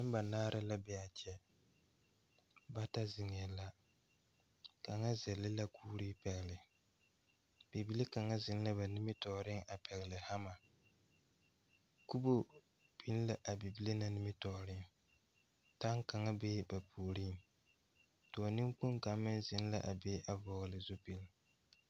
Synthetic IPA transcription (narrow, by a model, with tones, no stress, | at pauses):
nɪ˦m˦ba˨naː˦ɾa˦la˦bɛ˨a˨t͡ʃɛ˦ | ba˦ta˦zɪ˨ŋ˨jɛ˨la˦ | ka˨ŋa˦zɛ˨lɪ˦la˦kʰuː˦ɾi˦pɛ˨ɣɪ˨lɪ˨ | b̥i˨bi˦le˦ka˨ŋa˦zɪ˨n˦la˦ba˨nɪ˦mɪ˦tɔ˨˦ɾɪ˦ŋʔa˨pʰɛ˨ɣɪ˨lɪ˨ha˦ma˨ | ku˦bo˦ | pi˦n˦la˨ʔa˨bi˨bi˦le˦na˨nɪ˦mɪ˦tɔː˨ɾɪ˦ŋ | ta˦ŋka˨ŋa˦beː˦ba˨pʰu˨ɾi˦˨ŋ | tʊ˨a˨nɪ˦ŋ˦k͡pu˦ŋka˨˦mːɪ˦n˦zɪ˨n˦la̰˦ʔa˨beː˦ʔa˨vɔ˨ɣlɪ˨zu˦pi˨lɪ˦